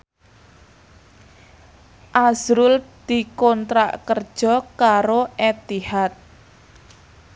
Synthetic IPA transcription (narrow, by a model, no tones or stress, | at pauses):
ʔazɾʊld̪̥i̤kɔnt̪ɾa̰ʔkərd̥ʒ̥ɔ̤kaɾoʔɛt̪ihat̪̚